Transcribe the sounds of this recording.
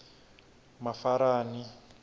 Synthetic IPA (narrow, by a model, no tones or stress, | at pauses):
mafaɾaːni